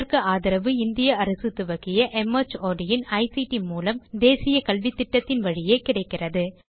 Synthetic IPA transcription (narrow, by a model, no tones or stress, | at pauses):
ɾkɯaːðɪɾɐʋɯɪnd̪ɪjɐɐɾɐsɯt̪ʊʋɐɣɪjɐʔɛmɐt͡ʃoːɖɪjɪnɐɪsiʈimuːlɐmd̪eːsɪjɐkɐlʋɪt̪ːɪʈːɐt̪ːɪnʋɐɻɪjeːkɪɽɐɪkːɪrɐðɯ